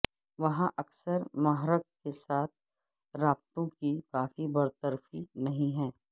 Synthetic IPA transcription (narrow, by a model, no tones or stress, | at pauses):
ʋɐɦãʔɐksəɾmɐɦɾək̚kesaːt̪̚ʰ | ɾaːb̚t̪õkikaːfibɐɾt̪əɾfinɐɦĩɦɛ̃ː